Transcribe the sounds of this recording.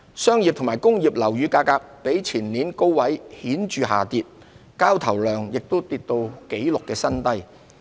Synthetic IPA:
sœː˥ŋjiː˨p̚t̪ʰʊ˨˩maː˨˩jkʊ˥ŋjiː˨˩p̚lɐ˨˩wjyː˨˧kaː˧kaː˧k̚pe˨˥jt͡sʰiː˨˩nniː˨˥nko˥wwɐ˨˥jhiː˨˥nt͡ʃyː˨˧ɦa̰ː˨˩t̪iː˧t̚ | kaː˥wt̪ʰɐ˨˩wlœː˨ŋjɪ˨k̚t̪o˥wt̪iː˧t̚t̪o˧wke˨˥jlʊ˨kːɛː˧sɐ˥nt̪ɐ˥j

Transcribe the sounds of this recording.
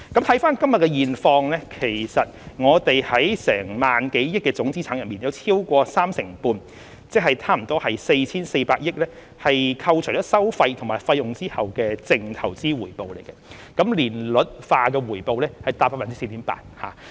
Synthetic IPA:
kɐ˨˥mt̪ʰɐ˨˥jfaː˥nkɐ˥mjɐ˨t̚kːɛ˧jiː˨nfɔː˧ŋlɛː˥kʰe˨˩jsɐ˨t̚ŋɔː˨˧t̪e˨jhɐ˨˥jsɛ̰ː˨˩ŋmaː˨nke˨˥jjɪ˥k̚ːɛː˧t͡sʊ˨˥ŋt͡siː˥aː˨˥ŋjɐ˨nmiː˨˩njɐ˧wt͡sʰiː˥wkʷɔː˧saː˥msɪ˨˩ŋpuː˧n | t͡sɛ˥k̚hɐ˨jt̪ʰaː˥m̩˨˩t̪ɔː˥hɐ˨jse˧jt͡sʰiː˥nse˧paː˧k̚jɪ˥k̚lɛː˥ | hɐ˨jkʰɐ˧wt͡ʃʰɔː˨˦˥sɐ˥wfɐ˧jt̪ʰʊ˨˩ŋmaː˨˩jfɐ˧jʊ˨ŋt͡siː˥hɐ˨wkɛː˧t͡sɪ˨˧ŋt̪ʰɐ˨˩wt͡siː˥wuː˨˩jpo˨wle˨˩jkɛ˧ | kɐ˨˥mliː˨˩nlɵ˨t̚faː˧k̬ɛː˧wuː˨˩jpo˨wlɛː˥hɐ˨jt̪aː˧pːaː˧aː˨nt͡si˥se˧t̪i˨˥mpa̰ː˧t̚ha̰ː˨

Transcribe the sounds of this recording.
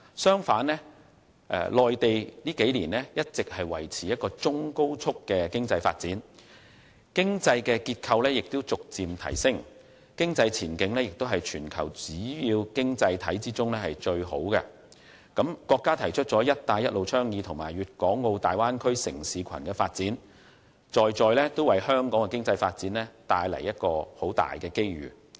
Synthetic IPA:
sœː˥ŋfaː˨˥nlɛː˥ | ʔɛ̰˨lɔː˨jt̪e˨jliː˥ke˨˥jliː˨˩nlɛ˥jɐ˥t̚t͡sɪ˨k̚hɐ˨jwɐ̰˨˩jt͡sʰiː˨jɐ˥t̚kɔː˧t͡sʊ˥ŋko˥wt͡sʰʊ˥kːɛː˧kɪ˥ŋt͡sɐ˧jfa̰ː˧t̚t͡siː˨˥n | kɪ˥ŋt͡sɐ˧jkɛː˧kiː˧t̚kʰɐ˧wlɛː˥jɪ˨k̚t̪ʊ˥wt͡sʊ˨k̚t͡siː˨mt̪ʰɐ̰˨˩jsɪ˥ŋ | kɪ˥ŋt͡sɐ˧jt͡sʰiː˨˩nkɪ˨˥ŋlɛː˥jɪ˨k̚t̪o˥ɦɐ˨jt͡ʃʰyː˨˩nkʰɐ̰˨˩wt͡siː˨˥jiː˧wkɪ˥ŋt͡sɐ˧jt̪ʰɐ˨˥jt͡siː˥t͡sʊ˥ŋlɛː˥hɐ˨jt͡ʃɵ˧ɥho˨˥wkɛ˧ | kɐ˨˥mkɔː˧kːaː˥t̪ʰɐ˨˩jt͡ʃʰɵ˥t̚t͡sɔː˨˥jɐ˥t̚t̪aː˧jɐ˥t̚lo˨wt͡ʃʰœː˥ŋjiː˨˧t̪ʰʊ˨˩ŋmaː˨˩jɥyː˨t̚kɔː˨˥ŋːo˧wt̪aː˨jwaː˥nkʰɵ˥ɥsɪ˨˩ŋsiː˨˧kʰɐ˨˩nkɛː˧faː˧t̚t͡siː˨˥n | t͡ʃɔː˨jt͡sɔː˨jlɛː˥t̪o˥wɐ˨˩jhœː˥ŋkɔː˨˥ŋkɛ˧kɪ˥ŋt͡sɐ˧jfaː˧t̚t͡siː˨˥nlɛː˥t̪aː˧jlɐ̰˨˩jɐ˥t̚kɔː˧ho˨˥wt̪a̰ː˨jkɛː˧ke˥jɥy̰ː˨˩

